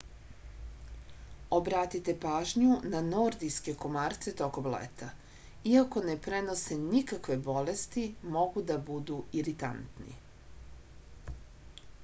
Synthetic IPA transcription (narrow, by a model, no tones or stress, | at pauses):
obɾat̪it̪e̞paːʒɲunano̞ɾd̪ijske̞ko̞maːɾt̪se̞t̪o̞komlḛt̪ʰa | iako̞ne̞pɾe̞no̞senikakʋe̞bo̞lest̪imo̞ɡud̪abud̪uiɾit̪a̰nt̪nḭ